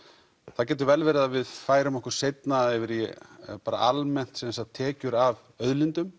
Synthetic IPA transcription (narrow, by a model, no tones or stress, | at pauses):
θacɛːt̪̬ʏɾvɛlvɛɾɪðavɪðfaːjɾʏmɔhkʏɾ̥sejt̪naðɛvɪɾipaːɾa̰ʔalmɛn̥t̪sɛsat̪ʰɛːcʏɾav | œðlɪnt̪ʏm